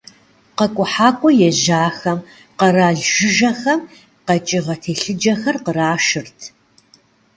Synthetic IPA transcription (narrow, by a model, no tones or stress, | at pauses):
qɐkʷʼʊħaːkʷʼɔjɛʑaːxɐm | qɐraːɮʒɪʒɐxɐm | qɐt͡ʃʼɪʁɐtʰeːɬɨd͡ʒɐxɐrqəraːʃɨrtʰ